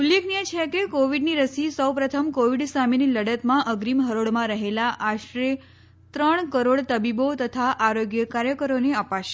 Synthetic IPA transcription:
ulːeknijet͡ʃʰekekoʋiɖniɾəsisəwpɾət̪ʰəmkoʋiɖsaminiləɽət̪mãʔəɡɾimɦəɾoɽmãɾəɦelaʔaʃɾe | t̪ɾəɳ̃kəɾoɽt̪əbibot̪ət̪ʰaʔaɾoɡjəkaɾjəkəɾoneəpaʃe̥

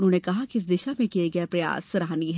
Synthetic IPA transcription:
ʊnɦõːnekɐɦakiɪs̬d̪ɪʃamẽkijeɡɐjepɾɐja̰ːsɾaɦaniɦɛ

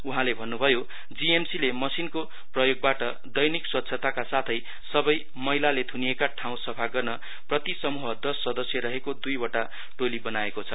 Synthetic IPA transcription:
uɦãlebʱʌnːubʱʌjo | d͡ziemsilemʌsinko | prʌjoɡ̚baʈʌ | d̪ʌjnikswʌt̪ːsʰʌt̪akasat̪ʰʌj | sʌbʌj | mʌɦilalet̪ʰunijekaʈʰãw̃sʌpʰaɡʌrnʌ | prʌt̪isʌmuɦʌd̪ʌsːʌd̪ʌsjʌɾʌɦekod̪ujbʌʈa | ʈolibʌnaekot͡sʰʌ

